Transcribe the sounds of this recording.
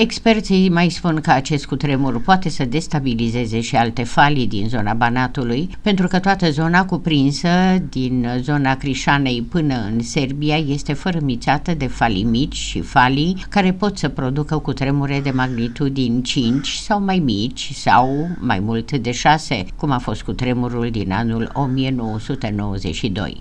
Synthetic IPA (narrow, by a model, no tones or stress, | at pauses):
e̞kspe̞rt̪simajspunkəat͡ʃe̞st̪̚kut̪ɾe̞murʲpoat̪e̞səd̪e̞st̪abilize̞ze̞ʃialt̪e̞falid̪ḭnzo̞nabanat̪ulujpe̞nt̪ɾukət̪oat̪əzo̞nakupɾinsəd̪inzo̞nakɾiʃane̞jpɨnəɨ̰nse̞rbiaje̞st̪e̞fəɾəmit̪sat̪əd̪e̞falḭmit͡ʃʲʃḭfalikaɾe̞po̞t̪səpɾo̞d̪ukəkut̪ɾe̞muɾe̞d̪e̞maɡnit̪ud̪inʲt͡ʃint͡ʃʲsawmajmit͡ʃʲsa̰wma̰jmult̪d̪e̞ʃase̞̰kumafo̞st̪̚kut̪ɾe̞muɾuld̪ina̰nulo̞mije̞no̞wəsut̪e̞no̞wəzḛʃid̪o̰j